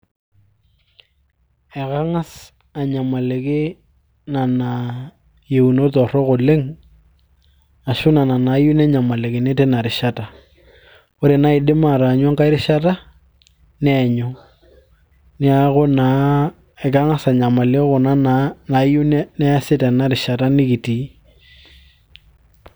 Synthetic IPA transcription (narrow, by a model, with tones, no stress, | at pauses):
ɛ˨ka˦ŋa˦s | a˨ɲa˨ma˨le˨kɪ˦ | na˨na˨ | je˨u˨no˦tɔ˨rɔ˦ko˨lɪ˦ŋ | a˨ʃʊ˦na˨na˨na˨˦jʊ˦nɛ˦ɲa˨ma˨le˨kɪ˨ne˦tɛ˦na˨ɾɪ˨ʃa˦ta˨ | ʊ˦ɾe˨na˦ɪ˨ɗɪ˦ma˦˨ɾa˨ɲwa˦ŋka˦ɪ˦ɾɪ˦ʃa˦ta˦ | nɛ˦ɲʊ˦ | nɪ˦a˦kʊ˦na˨ | ɪ˨ka˦ŋa˦sa˨ɲa˨ma˨lɪ˦kʊ˨na˦na˨na˨˦jʊ˦nnɛ˦a˦sɪ˦tɛ˨na˨ɾɪ˨ʃa˨ta˦nɪ˦kɪ˨ti˨˦